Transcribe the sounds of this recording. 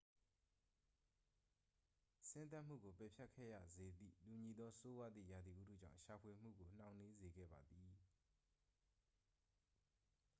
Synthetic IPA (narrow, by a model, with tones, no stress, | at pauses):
sɪ̃˦nt̪a˦ʔm̥ṵ˦˨ɡo˨pɛ˨pʰja˦ʔkʰːɛ̰˦˨jä̰˦˨ze˨d̪ðḭ˦˨tu˨ɲi˨d̪ɔ˦so˦wa˦d̪ðḭ˦˨ja˨d̪i˨ʔṵ˦dʰṵ˦˨d͡ʑã̰˦˨ʃa˨pʰwe˨m̥ṵ˦˨ɡo˨n̥ã˨ʊ̃ne˦ze˨ɡɛ̰˦˨ba˨d̪i˨